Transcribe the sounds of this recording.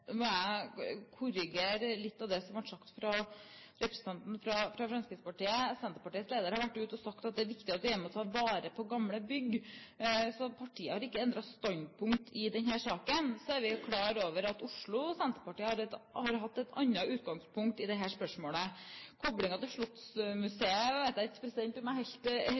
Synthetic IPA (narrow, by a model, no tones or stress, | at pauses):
nɔæɪkʰʊɾɪɡeːɾlɪt̪ːɑʋd̪ɛsɔmʋɑʈʂɑkt̪fɾɑɾɛpɾəsən̩t̪ʰɑnt̪n̩fɾɑfɾɑfɾɑnskɾɪspɑʈiːəsɛnt̪əpɑʈiːətsleːd̪əɾəhɑɾʋæʈːʉːt̪ɔsɑkt̪ɑt̪̚d̪ɛæɾʋɪkt̪ɪɑt̪ʋ̪ɪjɛmɔt̪ʰɑːʋɑːɾəpʰɔɡɑmləbʏɡ | sɔpʰɑʈʰiːəhɑɾɪkːəɛnd̪ɾɑst̪ɑnpʰʊŋkt̪ʰɪd̪ɛnhæːʂɑːkənsɔæɾʋɪkʰlɑːɾoːʋəɾɑt̪ʊʂɭʊsɛnt̪əpɑʈiːəhɑɾɛt̪hɑɾɦɑt̪ːɛt̪ʰɑnːɑʔʉːt̪ɡɑŋspʰʊŋkt̪ɪd̪ɛɦæːʂpœʂmoːləkʰɔblɪŋɑt̪ɪʂɭɔt̪smʉseːəʋæɪt̪̚d̪æɪɛt̪pʰɾɛsɪd̪ɛnt̪ɔmɛhɛɪlt̪